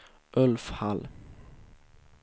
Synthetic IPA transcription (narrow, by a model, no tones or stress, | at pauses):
ʔɵlfhal